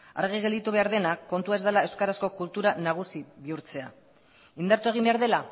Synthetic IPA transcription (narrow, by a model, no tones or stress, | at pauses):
a̰ɾɣ̞iɣe̞ld̪it̪uβe̞aɾðe̞nakːo̞nt̪uaezd̪alae̞wskaɾasko̞kult̪uɾanaɣ̞usiβiuɾt͡se̞a̰ | ind̪aɾt̪ue̞ɣ̞imbe̞aɾðe̞la